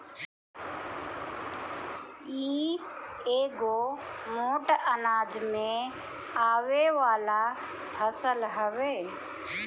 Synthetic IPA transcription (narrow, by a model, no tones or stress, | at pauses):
iː | eːɡomoːʈənaːd͡ʒmẽ | aːweʋaːla | pʰəsəlɦəweː